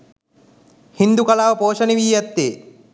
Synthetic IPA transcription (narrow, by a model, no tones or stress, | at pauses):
hind̪ukɐlaːʋəpoːʃəniʋiːjɛt̪ːeː